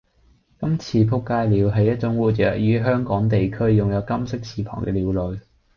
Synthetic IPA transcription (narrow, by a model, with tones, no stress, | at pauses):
kɐ˥mt͡sʰiː˨˧pʰʊ˥kːaː˧jliː˨˧wɦɐ˨jɐ˥t̚t͡sʊ˨˥ŋwuː˨˩t͡ʃœː˨˥k̚jyː˨˧ɦœː˥ŋkɔː˨˥ŋt̪e˨jkʰɵ˥ɥjʊ˨ŋjɐ˨˧wkɐ˥msɪ˥k̚t͡sʰiː˨pʰɔ̰ː˨˩ŋkɛː˧liː˨˧wlɵ˨ɥ